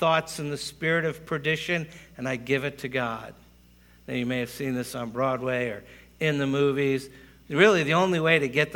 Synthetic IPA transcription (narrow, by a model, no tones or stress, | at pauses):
θɔtsɨ̃n̩ðɨspɪɹɨɾʌv̥pʰɹ̥ɨdɪʃɨ̃nɨ̃naɪɡɪvɨtʰɨɡɑd̥̚ | ðɨ̃njɨmeɪɨv̥sĩnðɪsn̩bɹɔd̚weɪə˞ | ɪ̃nðɨmuviz̥ | ɹɪlˠiðiõʊ̃nliweɪɾɨɡɛt̪̚